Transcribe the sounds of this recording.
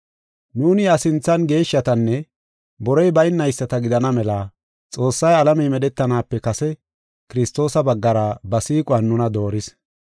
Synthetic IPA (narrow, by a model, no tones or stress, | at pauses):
nuːnɪɐsɪnt͡sːɐnɡe̞ːʃːɐt̪ɐnːɛ | bɔɾɔjbɐjnːɐjsːɐt̪ɐɡɪd̪ɐnɐmɛlaː | t͡sʼo̞ːsːɐjɐlɐmɛjmɛɗɛt̪ːɐnaːpːɛkɐsɛ | kɪɾɪst̪o̞ːsɐbɐɡːɐɾɐbɐsiːkʼʊɐnːʊnɐd̪o̞ːɾɪs